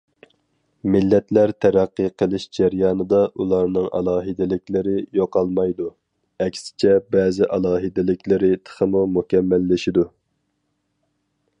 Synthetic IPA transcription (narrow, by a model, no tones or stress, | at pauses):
mɪlːɛt̪læɾt̪ʰɛɾæqːiqʰəlˠɨʃd͡ʒæɾjɑːnɨd̪ɑʔulˠɑɾnɨŋʔɑ̰lˠɑːɦɨd̪ɪlɪkʲlɪɾɪjoqɑlˠmɑjd̪u | ɛkʲsɪ̥t͡ʃʰɛbɛːzɪʔɑlˠɑːɦɨd̪ɪlɪkʲlɪɾɪt̪ʰə̥χəmumukʲɛmːɛlːɪʃid̪u